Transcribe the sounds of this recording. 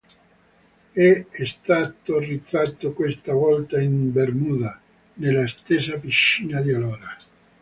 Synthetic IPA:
ɛɛst̪at̪ːorit̪ɾat̪ːokwest̪avɔlt̪aimbermuːd̪a | nelːast̪esapiʃːiːnad̪iolɔːɾa

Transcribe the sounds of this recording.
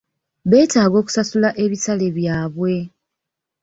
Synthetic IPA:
βe̞ːtaːɡo̞ːku̥sasulaʔe̞βisale̞βjaːβwe̞

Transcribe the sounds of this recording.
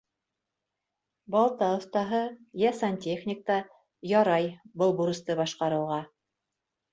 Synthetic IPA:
bɑlˠt̪ɑŏθt̪ɑɦɤjɑsɑntʲeχnʲɪk̚t̪ɑ | jɑɾɑjbɤlˠbuɾɤ̆st̪ɤbɑʃqɑɾɤ̆wʁɑ

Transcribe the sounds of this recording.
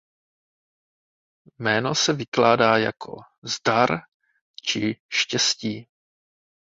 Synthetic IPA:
mɛːno̞sɛvɪklaːdaːja̰kʰo̞̰ | zdaɾ | t͡ʃɪʃcɛsciː

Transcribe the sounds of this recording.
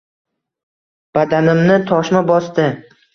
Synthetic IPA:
b̥ad̪anɪmnɪt̪ʰɒʃmabɒst̪ɪ

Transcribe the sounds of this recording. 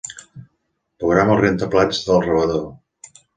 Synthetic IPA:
puɣɾaməlˠrent̪əplad͡ʒðəlˠrəβəðo

